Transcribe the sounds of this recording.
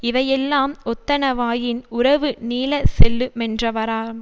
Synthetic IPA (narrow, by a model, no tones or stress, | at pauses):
ɪʋɐjɛlːaːmɔt̪ːɐnɐʋaːjɪnʊɾɐʋɯniːlɐsɛlːɯmɛndrɐʋɐɾaːɾ